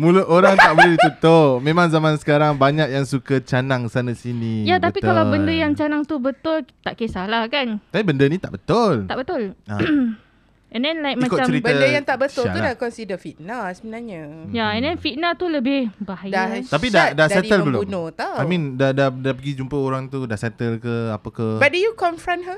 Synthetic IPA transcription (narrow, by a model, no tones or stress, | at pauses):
mũluʔoɾaŋt̪aʔbəlidit̪ut̪ʊpmẽmãŋzamansə̥kaɾaŋbaɲak̚jaŋsukət͡ʃanaŋsanəsinijat̪atpik̪kalawbəndəjaŋt͡ʃanaŋt̪ubət̪ʊlt̪aʔkesalahkanaibəndənit̪a̰ʔbət̪ʊlt̪aʔbət̪ʊla̰ | ɛ̃ndɛnlajk̚mmãkoaɾibənədəjaŋt̪aʔbət̪ʊla̰udakɔnsidəfit̪̚nasəmənaɲəjaɛ̃ndɛnfit̪̚nat̪uləbɪhbaɦajat̪apidadasɛdiəlbəloumnot̪aamĩndadadapəɡid͡ʒumpəoɾaŋt̪udasɛt̪əlkəapakabat̚dujukɔɱfɾãnɦə